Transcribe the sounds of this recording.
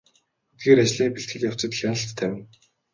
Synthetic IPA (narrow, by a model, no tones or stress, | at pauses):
ɵt̪ɡeːɾat͡ɕɮiːŋpeɬt̪ɡɘ̆ɮjaw̥t͡sə̆t̪xʲjanə̆ɬt̪ʰːæwʲɪ̆n